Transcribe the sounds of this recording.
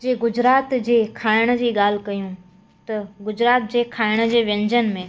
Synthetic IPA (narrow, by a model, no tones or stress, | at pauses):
d͡ʑeːɡʊd͡ʑɾaːt̪d͡ʑeːkʰaːɪɽ̃̆d͡ʑiːɠaːl̤ɪkɐjũ | t̪ɐɡʊd͡ʑɾaːt̪d͡ʑeːkʰaːɪɽ̃ə̆d͡ʑeːʋjɐ̃ɲd͡ʑənɪ̆mẽ